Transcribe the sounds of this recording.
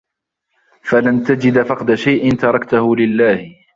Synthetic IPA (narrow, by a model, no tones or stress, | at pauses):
falant̪ad͡ʒɪd̪fɑqd̪aʃajʔɪnt̪ɑɾˤɑkt̪ʊhʊlɪlːaːhɪ